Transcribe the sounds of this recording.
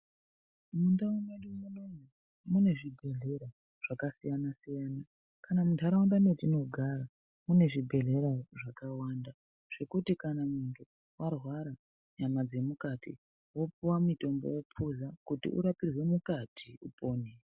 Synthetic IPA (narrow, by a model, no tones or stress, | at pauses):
mundaunoɗimunoɲa | mune̞ʐibʱe̞ɮe̞ɾa | ʐ̥akasijanasijana | kanamuntʰaɾawundanetino̞ɡʱaɾa | mune̞ʐibʱe̞ɮe̞ɾaʐakawaːnda | ʐ̥e̞kutikanamuŋɡe | wʔarwaɾa | ɲamad͡ze̞mukatḭ | wo̞puwamito̞mbo̞̰jopʰuzakutḭʔṵɾapirwe̞mukatʰiupo̞ːne